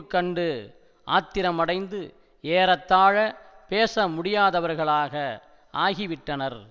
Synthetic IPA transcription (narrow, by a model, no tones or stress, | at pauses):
kːɐɳɖɯ | a̰ːt̪ːɪɾɐmɐɽɐɪnd̪ɯ | eːɾɐt̪ːaːɻɐpeːsɐmʊɽɪjaːðɐʋɐɾɣɐɭaːɣɐ | ʔaːɣɪʋɪʈːɐnɐɾ